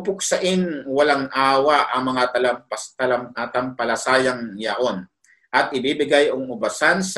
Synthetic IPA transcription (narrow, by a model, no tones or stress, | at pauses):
pʊk̚sɐʔɪnwɐlaŋʔaːwɐʔɐŋmɐŋat̪ɐlampɐst̪ɐlamat̪ɐmpɐlɐsaːjɐŋjɐʔo̞n | ʔɐt̪̚ʔɪbibɪɡajʔoŋʊbɐsans